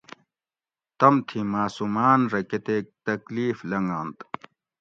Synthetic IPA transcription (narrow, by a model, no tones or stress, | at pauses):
t̪ɐmt̪ʰimaːsumaːnɾɐket̪eːk̚t̪ɐkliːflɐŋɡaːnt̪